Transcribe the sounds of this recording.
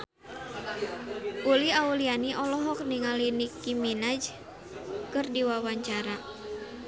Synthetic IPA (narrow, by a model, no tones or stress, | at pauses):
ʔuliaulianiʔɔlɔɦɔk̚niŋalinikiminad͡ʒ | kɨrdiwawaɲt͡ʃaɾa